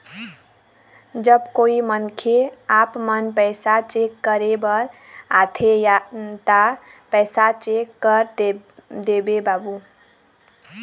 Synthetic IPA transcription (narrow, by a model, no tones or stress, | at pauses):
d͡ʒəbkoimənkʰeapmənpɛɪsat͡ʃekːəɾebəɾ | at̪ʰejat̪apɛsat͡ʃekːəɾ | d̪ebebabu